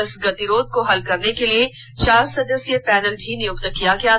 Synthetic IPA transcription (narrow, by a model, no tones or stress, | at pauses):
əsɡɐt̪iɾoːd̪̚koɦɐlkɐɾnekeliet͡ʃaːɾsɐd̪əsjepɛːd̪əlbʱinɪjʊkt̪əkːijakjaː